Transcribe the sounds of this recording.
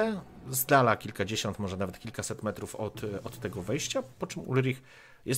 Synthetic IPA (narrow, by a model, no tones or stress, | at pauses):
ɛzd̪alakʲilkad͡ʑeɕɔnt̪mɔʐɛnavɛt̪kʲilkasɛt̪mɛt̪ɾufɔt̪ɔt̪ːɛɡɔvɛjɕt͡ɕapɔt͡ʂɘmṵlɾʲix | jɛs